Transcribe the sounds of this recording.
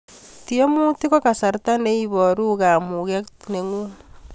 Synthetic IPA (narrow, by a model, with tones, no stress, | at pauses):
ti˦o˦mu˦ti˦ko˦ka˨sa˨ɾta˦ne˦i˦βɔ˨ɾu˦ka˨mu˨ke˦ktne˨ŋu˦